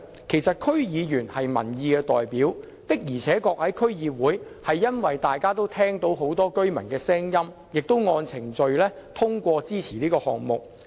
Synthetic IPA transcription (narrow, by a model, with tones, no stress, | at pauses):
kʰe˨˩jsɐ˨t̚kʰɵ˥ɥjiː˨˧jyː˨˩nhɐ˨jmɐ˨˩njiː˨˧kɛː˧t̪ɔ̰ː˨jpiː˨˥w | t̪ɪ˥k̚jiː˨˩t͡sʰɛː˨˥kɔː˧k̚hɐ˨˥jkʰɵ˥ɥjiː˨˧wuː˨˥jhɐ˨jːɐ˥nwɐ˨jt̪aː˨jkaː˥t̪o˥wt̪ʰɛː˥ŋt̪o˨˥wɦo˨˥wt̪ɔː˥kɵ˥ɥmɐ̰˨˩nkɛː˧sɛː˥ŋjɐ˥m | jɪ˨k̚t̪o˥wŋɔː˧nt͡sʰɪ˨˩ŋt͡ʃɵ˨˧ɥlɛː˥t̪ʰʊ˥ŋkʷɔː˧t͡siː˥t͡sʰiː˨˩liː˥kɔː˧hɔ̰ː˨k̚mʊ˨k̚